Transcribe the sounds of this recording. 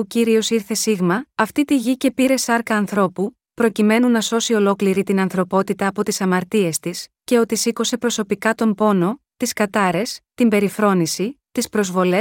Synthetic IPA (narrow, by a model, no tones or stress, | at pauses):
ociɾio̞siɾθe̞siɣmɐɐft̪it̪iʝice̞piɾe̞sɐɾkɐːnθɾo̞pu | pɾo̞cime̞nunɐso̞sio̞lo̞kliɾit̪inɐnθɾo̞po̞t̪it̪ɐːpo̞t̪isɐmɐɾt̪ie̞st̪isce̞o̞t̪isiko̞se̞pɾo̞so̞pikɐt̪o̞mbo̞no̞ | t̪iskɐt̪ɐɾe̞st̪imbe̞ɾifɾo̞nisit̪ispɾo̞zvo̞le